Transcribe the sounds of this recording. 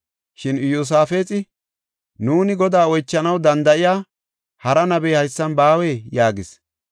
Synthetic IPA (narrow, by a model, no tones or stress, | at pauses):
ʃɪnjos̬aːfeːt͡sʼɪ | nuːnɪɡɔd̪aːɔjt͡ʃːɐnɐwd̪ɐnd̪ɐʔɪjaː | hɐɾɐnɐbeːhɐjsːɐnbaːwɛːjaːɡɪs